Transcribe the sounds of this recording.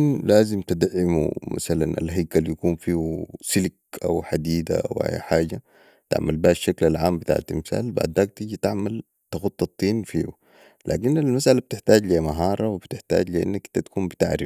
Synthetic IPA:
nlaːzimt̪id̪ʕɪmṵmʔa̰salanʔa̰lɦajkːaljakuːnfiːhusilkʔa̰wħad̪iːd̪a̰ʔa̰wha̰ːja̰ħaːɟa | t̪a̰ʕmalbahaʃːaklalʕaːmbit̪a̰ːʕa̰t̪imsa̰ːlba̰ʕd̪ːaːk̚t̪iɟit̪aʕmal | t̪axut̪ˤːɑt̪ˤːiːnfiːhṵ | la̰ːkinalmasʔalab̚t̪ɪħt̪aːɟlijamaɦɑːɾˤɑwibt̪ɪħt̪a̰ːɟlijʔḭnːakt̪ːat̪ḁkuːmbit̪aʕɾif

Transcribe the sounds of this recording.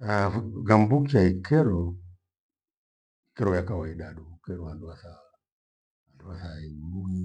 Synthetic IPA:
aɡambukt͡ʃaikɛɾɔ | ikɛɾɔjakawaiɗaɗuukɛɾɔanduasa | anduasaibui

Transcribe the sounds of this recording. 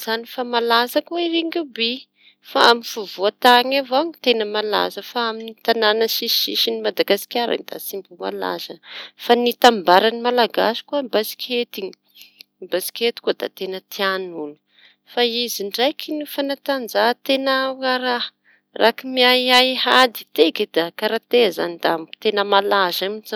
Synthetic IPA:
zanifamalazakuiɾeŋɡube | faaminv̥uvuat̪aŋavoŋit̪enəmala̰zəfaaminnit̪ananəʃiḭʃinimad̪aɡasi̥kʲaɾa̰mid̪a̰simbuma̰la̰zəfanit̪ambaɾanimalaɡasi̥kuabasi̥kʲet̪iŋi̥ | mbasi̥kʲet̪i̥kuəd̪̥a̰t̪enət̪ʰianulu̥ | faiziɳɖ͡ʐajkʰinifanat̪and͡zat̪enaaɾa | rʔakimiaahad̪i̥t̪eked̪akaɾat̪eaza̰nid̪amt̪enəmalazaminza

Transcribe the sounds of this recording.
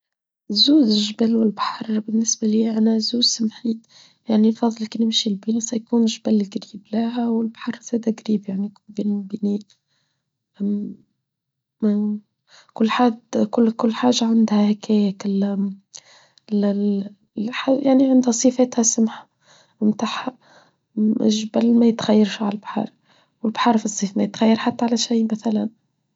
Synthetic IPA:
zuːzɪʒəbælwɪlbaħɑɾˤbɪnːɪsbæliːʔænæzuːz̥smħiːt̪ | jaʕnifɑðˤːɑlknɪmʃilbinisæjkuːnʒbælɡɾiːblæɦæwɪlbaħɑɾˤz̥æːd̪æɡɾiːbjaʕnijkuːnbinlbiniː | ʔæm | kʊlːħad̪kʊlkʊlːħaːʒːaʕand̪hæhækæjækɪl | ħajaʕniʕand̪hæsˤifɛːt̪hæsʊmħḁ | mt̪aħha | ʒbælmæjɪt̪xæjːɑɾʃiʕalalbħɑ̰ːɾˤ | wɪlbħɑːɾˤfisˤːiːfmæjɪt̪xæjːəɾħat̪ːæʕalæʃijmæθælæn

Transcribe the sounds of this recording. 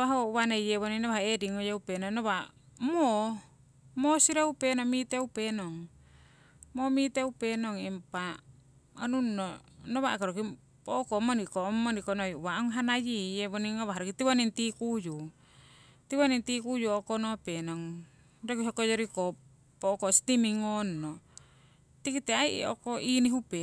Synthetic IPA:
βaɦoβanejeβoninoβahaediŋojeupenoŋnoβamo | mosiɾaupenomit̪eupenoŋ | momit̪eupenoŋimpa | onuno | noβakaɾoki | poʔokomonikomːonikonojuβaʔuŋɦanajijeβoniŋoβaɦaɾokit̪iβanint̪ikuju | t̪iβanint̪ikujuokonopenoŋ | ɾokiɦokojoɾiko | pokost̪imiŋonːo | t̪ikit̪eaiʔokoʔiniɦupe

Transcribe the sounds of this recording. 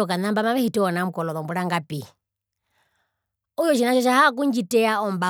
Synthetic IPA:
ɔkanambamaβɛhitɛɔnam̩kɔlɔðɔmbuɺaŋɡapi | ujɔt͡ʃinaʃɔʃahak̬uɲd͡ʒitɛaɔmba

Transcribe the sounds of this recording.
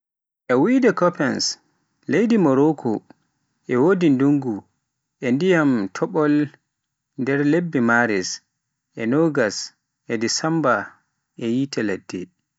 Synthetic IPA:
ʔɛwidɛkɔpɛns | lejdimɔɾɔkʰɔ | ʔɛwoːdinduŋɡu | ʔɛndijamtʰɔɓɔl | ndɛɾlebːimaɾɛs | ʔɛnɔɡas | ʔɛdisamba | ʔɛjitɛladːɛ

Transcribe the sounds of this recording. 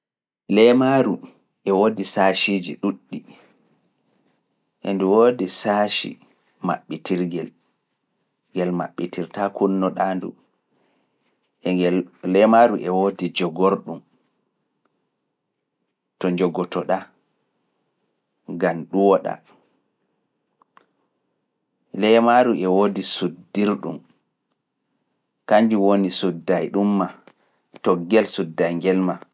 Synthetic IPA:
lɛmaɾu | ʔɛwodisaːʃid͡ʒḭɗuɗːi | ʔɛ̰nduwodisaʃḭ | ma̰ɓːitiɾɡɛl | ɡɛlma̰ɓːitʰiɾtakunːɔɗaːndṵ | ʔɛŋɡɛllɛmaɾuʔɛwodid͡ʒɔɡɔɾɗum | tɔɲd͡ʒɔɡɔtɔɗa | ɡamɗuwɔɗa̰ | lɛmaɾuʔɛwodisudːiɾɗṵm | kaɲd͡ʒiwonisudːajɗumːa | tɔɡːɛlsudːajŋɡɛlma

